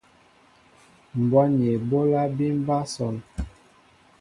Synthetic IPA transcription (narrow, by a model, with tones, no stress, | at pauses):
m̩˨bɔ˦n˨e˨bo˦la˦bi˦m˦ba˦sɔ˨n